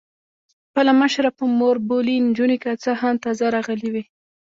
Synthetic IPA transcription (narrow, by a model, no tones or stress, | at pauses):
pəlaməʃɾapəmoɾbolind͡ʒunikat͡sahamt̪ɑzaɾɑɣəliwi